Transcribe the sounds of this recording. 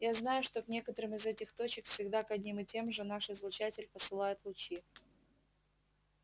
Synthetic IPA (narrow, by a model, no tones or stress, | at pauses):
jaznajʊʂt̪o̞knʲe̞kət̪əɾɨmɨzɛtʲɪxt̪o̞t͡ɕɪkfsʲɪɡd̪akɐdʲnʲimɨtʲe̞mʐɨnaʂɨzlˠʊt͡ɕætʲɪlʲpəsɨlˠajʊt̪lˠʊt͡ɕi